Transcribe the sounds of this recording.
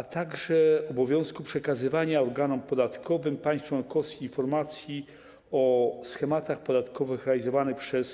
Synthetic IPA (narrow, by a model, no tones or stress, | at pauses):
at̪aɡʐɛɔbɔvʲjɔ̃w̃skupʂɛkazɘvaɲaɔɾɡanɔmpɔd̪at̪kʰɔvɘmpaj̃st̪fwɔnkɔskʲiːnfɔɾmat̪sʲji | ɔsxɛmat̪axpɔd̪at̪kɔvɘxɾɛalʲizɔvanɘxpʂɛs